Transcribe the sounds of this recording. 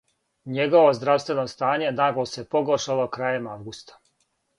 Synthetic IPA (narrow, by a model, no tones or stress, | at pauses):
ɲeɡo̞ʋo̞zd̪ɾaʋst̪ʋe̞nost̪aːɲe̞naɡlosepoɡoʃalˠo̞kɾaːjemaʋɡust̪ḁ